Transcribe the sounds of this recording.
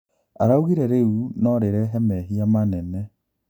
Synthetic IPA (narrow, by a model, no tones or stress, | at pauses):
aɾauɣiɾɛɾeunɔɾeɾɛɦɛmɛɦiamanɛnɛ